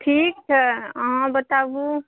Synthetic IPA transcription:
ʈʰiːk̚t͡ʃʰɛəɦãbət̪abu

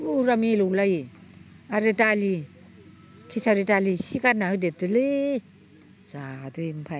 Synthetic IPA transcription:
uɾamiluwlaj | aɾetali | kʰisaɾitalisikanaɯdetɯlɯ | z̥adɯimpʰa

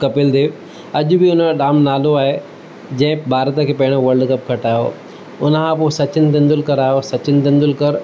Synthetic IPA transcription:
kɐpɪld̪eːʋ | ɐʄʊbɪʊnəɗaːmnaːloaːɦe | d͡ʑɐ̃ɪ̃bʱaːɾt̪əkʰeːpɐɦɪɽ̃oʋɐɾlɖkɐp̚kʰɐʈaːjo̰ː | ʊnəkʰãpoːsɐt͡ɕɪnɪt̪ɪ̃nd̪ʊlkɐɾaːjosɐt͡ɕɪnɪ̆t̪ɪ̃nd̪ʊlkɐɾ

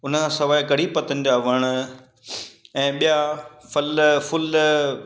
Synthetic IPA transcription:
ʊnəkʰãːsɐʋaːɪkɐɽ̤ipɐt̪ənɪ̆d͡ʑaːʋɐɽ̃ | ɛ̃ːɓijafɐlfʊl

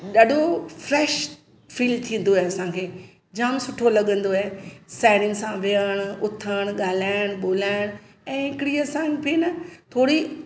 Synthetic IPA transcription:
ɗaːɗʱofɾeːʃ | fiːlt̪ʰĩːn̆d̪oaeɐsãːkʰeː | d͡ʑaːmsʊʈʰolɐɠə̃nd̪oesaːɪɽɪ̃nsãʋeəɽ̃ʊt̪ʰəɽ̃ɠaːlaːjəɽ̃ɓoːlaːɪɽ̃ | ɛ̃ːɦɪkɪɽiɐsãpinɐt̪ʰoːɽi

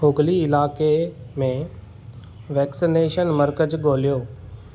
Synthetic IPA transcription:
oːɡliɪlaːkemẽ | ʋɛːksineːʃənmɐɾkəd͡ʑɠoːlijoː

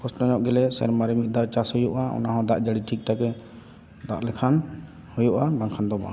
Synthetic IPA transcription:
pɔstɔɲɔʔɡɛlɛsɛ̰ɾmaɾɛmit̪̚ˀd̪aʔt͡ʃashujuʔaɔ̰naɦɔ̃d̪aʔd͡ʒaɽiʈʰik̚t̪akɛ | d̪a̰ʔlɛkʰan | hujuʔab̪aŋkʰand̪ɔba̰

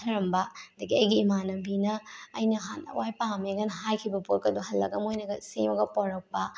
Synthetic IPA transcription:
tʰɐɾɐmbɐdɐɡiɐjɡiːmanɐbinɐːjnɐɦanɐ̰wajpameɡɐnɦajkʰibɐpoɾkɐduɦɐlːɐ̰ɡɐmojnɐɡɐsḛmɐɡɐpɔɾɐk̚pɐ

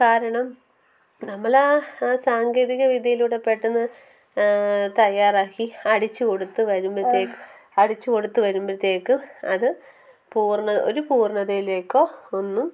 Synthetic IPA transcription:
kaːɾɐɳɐm | nɐmːɐɭesaːŋɡe̞ːðiɣɐʋid̪ʱɐjiluɽepːe̞ʈːunːɨ | t̪ɐjːaːraːkːiɐɽit͡ɕːɨko̞ɽut̪ːɨʋɐɾumbɾɨt̪ːeːkː | ɐɽit͡ɕːɨko̞ɽut̪ːɨʋɐɾumbrɐt̪ːjeːkːɨɐðɨ | puːrɳɐo̞̰ɾupuːrɳɐðɐjile̞ːkːo̞ːonːum

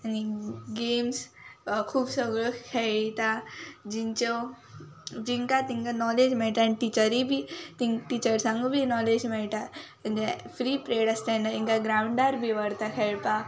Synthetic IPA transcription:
aniɡemskʰuːbsəɡɭokʰeɭt̪ad͡ʑint͡ɕɔ | d͡ʑiŋkat̪ĩŋkanɔled͡ʑmɛɭʈ̪aniʈit͡ɕəɾibʱit̪ĩŋʈit͡ɕəɾsãŋɡubʱinɔled͡ʑmɛɭʈ̪amənd͡ʑefɾipɾeɽəst̪anaĩŋkaɡɾawɳɖaɾbʱiʋəɽt̪akʰeɭpa

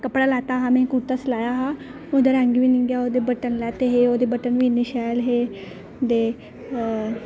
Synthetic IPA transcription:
kəpɽalat̪aɦãmẽkuɾt̪əslajaɦaɦod̪əɾãŋɡiʋiniŋɡjaod̪ebəʈənlat̪eɦeod̪ebəʈənʋiniɕalɦe | d̪e

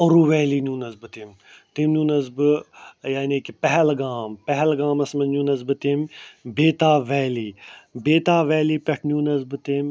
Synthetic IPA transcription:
ɐɾuːʋɛːliːnuːnɐzbɨt̪im | t̪imnjũːnɐzbɨjaːniːkipɛɦɛlɡaːmpɛɦɛlɡaːmɐsmɐnnũːnɐzbɨt̪imbeːt̪aːʋɛːliːbeːt̪aːʋɛːliːpʲɐʈʰnũːnɐzbɨt̪im

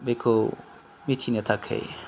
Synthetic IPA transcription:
bekʰo | mitʰinet̪ʰakʰḛj

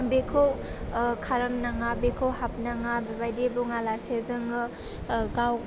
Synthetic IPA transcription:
bekʰowkʰaɾamnaŋabekʰowhap̚naŋabebajdebuŋalasezɯŋɯ | ɡaw

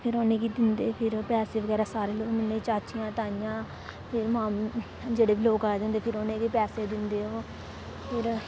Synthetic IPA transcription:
pʰɪɾoːnẽːɡiːd̪ɪnd̪eːpʰɪɾpɛːseːʋəɡɛːɾaːsaːɾeːloːɡmɪnẽːt͡ʃaːt͡ʃijãːt̪aːɪjãː | pʰɪɾmãːm | d͡ʒeːɽeːbiloːkaːed̪ɪ̃nd̪eːpʰɪɾoːnẽːɡiːpɛːseːd̪ɪnd̪eːɦoː | pʰɪɾ

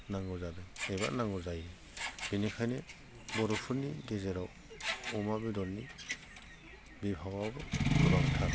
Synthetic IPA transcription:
naŋɡɔzadɯeba̰ʔnaŋɡɔzajɾe | b̥inikʰajne | bɔɾɔpʰɯɾniɡezeɾaw | ɔmabidɔɾni | bibʱawabɯɡubaɡtʰa

